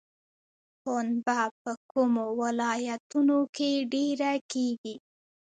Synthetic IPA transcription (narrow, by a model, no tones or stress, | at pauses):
xonbapəkumowalɑjat̪unokeɖeɾakeɡi